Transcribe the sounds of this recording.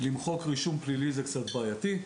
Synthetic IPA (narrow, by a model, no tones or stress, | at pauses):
limχo̞kʁiʃumplilizekt͡sat̪̚baːjat̪i